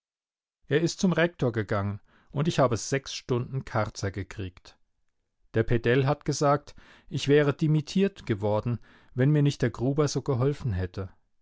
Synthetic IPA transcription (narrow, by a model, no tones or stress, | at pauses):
ʔeːɐɪstt͡sʊmʁɛk̚tʰoːɐɡəɡaŋən | ʔʊntɪçhaːbəz̥ɛksʃtʊndn̩kʰaʁt͡sɐɡəkʁ̥iːkt | d̥eːɐpʰedɛlɦatɡ̥əzaːk̚t | ʔɪçv̥ɛːʁ̞ədimitʰiːɐtɡ̥əvɔɐdn̩ | vɛnmiːɐnɪçt̚d̥eːɐɡʁuːbɐzoːɡəɦɔlfn̩ɦɛtʰə